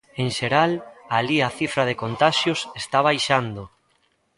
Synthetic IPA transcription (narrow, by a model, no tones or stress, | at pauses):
ẽŋʃeɾalaliaθifɾaðekont̪aʃjʊsest̪aβ̞ajʃand̪o